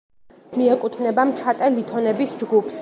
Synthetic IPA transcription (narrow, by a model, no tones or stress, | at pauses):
miɛkʼut̪ʰnɛbamt͡ʃʰat̪ʼɛlit̪ʰɔnɛbisd͡ʒɡupʰs